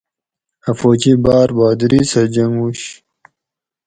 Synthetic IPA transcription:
ɐfoːt͡ɕibaːɾbaːd̪ɾisɐd͡ʑɐŋɡuɕ

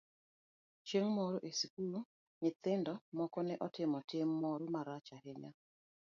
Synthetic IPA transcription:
t͡ʃeŋmɔɾoʔesikulo | ɲɪt̪ɪndɔmɔkɔnɛʔɔtɪmɔtɪmːɔɾomaɾat͡ʃahɪɲa

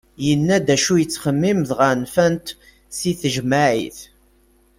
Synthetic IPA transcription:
jənːæd̪æʃujət͡sːχəmːimðʁənfænt̪ | siθəʒmaʕḭθ

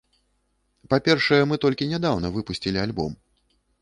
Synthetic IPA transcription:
papʲɛrʂɐjɛmɨt̪ɔlʲkʲinʲad̪awnɐvɨpusʲt͡sʲilʲialʲbɔ̰m

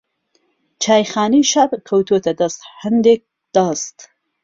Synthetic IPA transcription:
t͡ʃʰaːjxaːniʃɐbkʰɐwt̪ʰot̪ʰɐd̪ɐst̪hɐnd̪ek̚ | d̪̥ɐst̪

